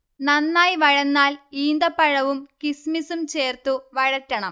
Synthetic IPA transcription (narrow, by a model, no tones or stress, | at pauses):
nɐnːaːjʋɐɻɐnːaːliːnd̪ɐpːɐɻɐʋumkismisumt͡ɕe̞ːrt̪uʋɐɻɐtːɐɳɐm